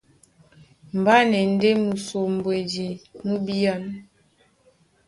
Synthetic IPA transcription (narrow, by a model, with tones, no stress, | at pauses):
m̩˨ba˦ne˨n̩˦de˦mu˨so˨m˨bwe˨d͡ʒi˨mu˦bi˦a˦n